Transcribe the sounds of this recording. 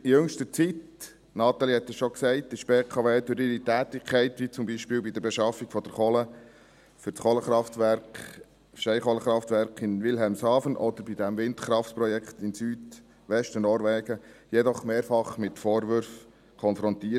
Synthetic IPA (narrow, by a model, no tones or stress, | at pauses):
ijɵŋʃtət͡sit | nɑːt̪ɑlihɛt̪ːəsʃɔksɛɪtɪʃpeːkʰɑʋeːd̥øɾɪɾitæːt̪ɪkʰɛɪtʋit͡sʊmbiʃpɪːwbid̪əɾbɛʃɑfːiɡ̥fɔd̥əɾχɔlə | fʏɾsχɔləχɾɑftʋæɾk | ʃɛɪχɔləχɾɑft̪ʋæɾkʰɪnʋɪlɦɛlmsɑːfənʔɔd̪əɾbid̪æmvɪnt̪χɾɑftpɾɔjɛkχt̪ɪnsyːd | ʋɛʃtənɔːɾʋɛːɡ̥əjɛd̪ɔχmeːɾfɑχmɪtfɔːɾʋʏɾf | kʰɔnfɾɔnt̪iə